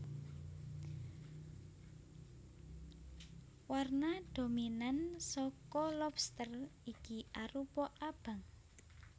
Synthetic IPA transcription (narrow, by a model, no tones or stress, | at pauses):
warnad̪̥o̤minansɔkɔlɔpst̪ərikiaɾupɔʔab̥a̤ŋ